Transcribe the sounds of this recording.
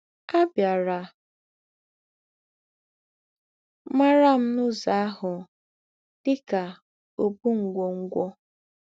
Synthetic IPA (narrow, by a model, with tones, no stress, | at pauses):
a˦bja˨ɾa˨ | ma˦ɾa˦m̩˦nʊ˦za˨a˦ɦʊ˨ | d̥ɪ˦ka˨ | o˨bu˦ŋ̩˨ɡʷo˨ŋ̩˦ɡʷɔ˦